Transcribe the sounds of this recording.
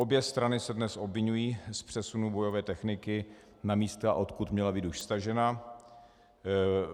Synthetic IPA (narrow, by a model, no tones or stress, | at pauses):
objɛst̪ɾanɪsɛdnɛsʔo̞bvɪɲujiːspr̥ɛsunubo̞jo̞vɛːt̪ɛxnɪkɪ | namiːst̪a̰ʔo̞t̪kut̪mɲɛlabiːt̪uʃst̪aʒɛna